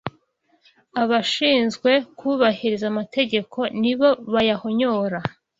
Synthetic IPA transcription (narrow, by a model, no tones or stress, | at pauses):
aβaʃiːnzɡwe̞kʰuβahiɾizamate̞ɟe̞kʰo̞niβo̞βajahoɲoːɾa